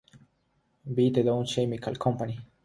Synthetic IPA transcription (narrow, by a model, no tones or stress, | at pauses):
bid̪ed̪ow̃nʃemikalkʰõmpani